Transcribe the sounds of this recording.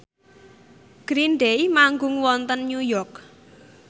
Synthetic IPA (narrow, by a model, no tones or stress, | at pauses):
ɡ̥ɾinɖeimaŋɡʊŋwɔnt̪ənːujɔrk